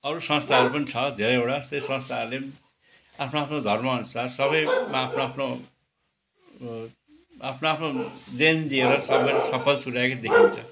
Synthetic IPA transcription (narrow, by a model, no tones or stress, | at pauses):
ʌɾusʌ̃nst̪ʰaʌɾupʌnit͡sʰʌd̪ʱeɾʌjewɽasesʌ̃nst̪ʰaʌrle | apʰnoapʰnod̪ʱʌrmʌʌnusarsʌβʌjmaapʰnoapʰno | apʰnoapʰnod̪end̪ieɾʌsʌbʌsʌpʰʌlt̪uɾaekod̪ekʰint͡sʰʌ